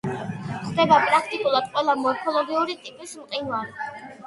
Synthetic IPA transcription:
χd̪ɛbapʼɾakʰt̪ʼikʼulˠad̪̥qʼwɛlˠamɔɛkʰɔlˠɔɡiuɾit̪ʼipʼismqʼinwaɾi

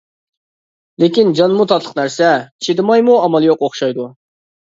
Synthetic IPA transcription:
lekʲind͡ʒɑnmut̪ʰɑt̪ʰlˠə̥qnæɾsɛt͡ʃʰed̪ɪmɑjmuɑmɑlˠjoqoχʃɑjd̪u

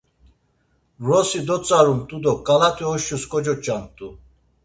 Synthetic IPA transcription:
ɾɔsid̪ɔt͡sʼaɾumt̪ʼud̪ɔkʼalat̪ʼiɔʃuskʼɔd͡ʒɔt͡ʃʼant̪ʼu

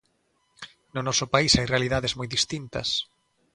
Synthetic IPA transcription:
nʊnɔsʊpaisajrealiðaðezmɔjðist̪int̪ɐ̰s

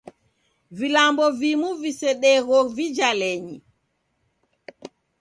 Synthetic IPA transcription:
vilambɔvimuvisɛɗɛɣɔvid͡ʒalɛɲḭ

